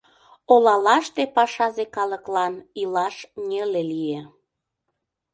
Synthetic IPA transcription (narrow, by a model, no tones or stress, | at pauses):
olɑlɑʃt̪epɑʃɑzekɑləklɑnilɑʃnʲelelije